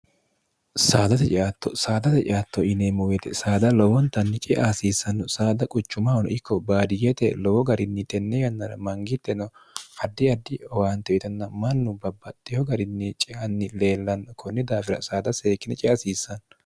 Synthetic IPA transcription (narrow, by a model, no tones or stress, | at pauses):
saːd̪ɐt̪ɛt͡ʃʼɪʔat̪ːɔsaːd̪ɐt̪ɛt͡ʃʼɪ̰ʔat̪ːɔʔɪnemɔwɛt̪ɛsaːd̪ɐlɔwɔnt̪ːɐnːɪt͡ʃʼɛʔaːsiːsːɐnːɔsaːd̪ɐkʼʊt͡ʃːʊmɐɔnʔɪkːɔbaːd̪ɪjɛt̪ɛlɔwɔɡɐɾɪnːɪt̪ʼɛnːɛjɐnːɐɾɐ̰mɐŋɡɪt̪ːɛnɔɐd̪ːɪɐd̪ːɪɔwaːnt̪ːɛɪt̪ɐnːɐmɐnːʊbɐbːɐt̪ʼːɪhɔɡɐɾɪnːɪt͡ʃʼɪʔɐnːɪleːlːɐnkʰɔnːɪd̪aːfɪɾɐ̰saːd̪ɐseːkːɪnɛt͡ʃʼɛʔɐsiːsːɐn